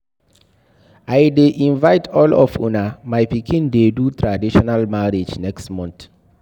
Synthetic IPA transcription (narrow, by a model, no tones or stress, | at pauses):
ajdeʔĩnvaɪtʰɔlɔfṵnamajpikĩndedutɹadiʃɔnalmaɹid͡ʒnɛkstmɔ̃nt